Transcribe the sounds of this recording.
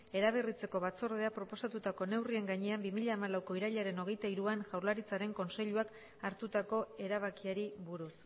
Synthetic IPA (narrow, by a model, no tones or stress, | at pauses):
e̞ɾaβ̞erit͡se̞ko̞βat͡so̞ɾð̞e̞apɾo̞po̞sat̪ut̪ako̞ne̞wrie̞ŋɡaɲe̞ambimiʎaːmalawko̞iɾaʎaɾe̞no̞ɣ̞e̞jt̪aiɾuanʝawɾlaɾit͡saɾe̞ŋko̞nse̞ʎuak | aɾt̪ut̪ako̞e̞ɾaβ̞akiaɾiβuɾus